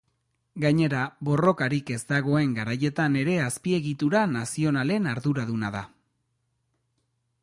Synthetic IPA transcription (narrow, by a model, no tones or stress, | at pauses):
ɡaɲe̞ɾaβo̞ro̞kaɾike̞zd̪aɣ̞o̞e̞ŋɡaɾaje̞t̪ane̞ɾe̞aspie̞ɣit̪uɾanasio̞nale̞naɾðuɾaðunaða